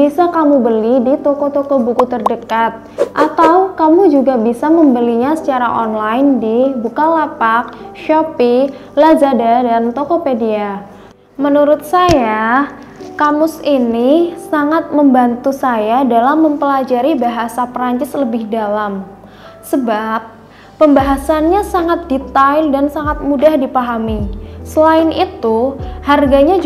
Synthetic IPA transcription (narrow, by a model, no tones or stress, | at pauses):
bisakamubəlidit̪okot̪okɔbukut̪ərdəkat̪̚ʔat̪awkamud͡ʒuɡabisaməmbəliɲasə̥t͡ʃaɾa̰ʔɔnlaɪndibukalapak̚ʃɔpilazadadant̪okɔpedia | mənuɾʊt̪̚saja | kamʊsinisaŋat̪̚məmbant̪usajadalamːəmpəlad͡ʒaɾibaɦasapɾaɲt͡ʃɪsləbɪhdalam | səbap̚ː | əmbaɦasanɲasaŋat̪̚dit̪aɪldansaŋat̪̚mudahdipaɦamisəlaɪnit̪uharɡaɲad͡ʒ